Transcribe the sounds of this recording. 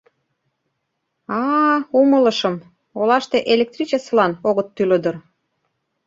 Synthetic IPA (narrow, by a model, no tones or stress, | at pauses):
ɑumələ̆ʃə̆m | olɑʃt̪eʔelek̚t̪rit͡ɕeslɑnoɣət̪ːyləd̪ə̆r